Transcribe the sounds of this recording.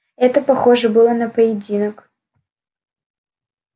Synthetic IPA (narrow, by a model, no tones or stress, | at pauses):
ɛt̪əpɐxoʐɨbɨlˠənɐpəjɪdʲinək